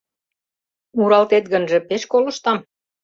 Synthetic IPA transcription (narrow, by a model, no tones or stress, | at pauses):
uɾɑlt̪et̪̚ɣənʒĕpeʃkolɤ̆ʃt̪ɑm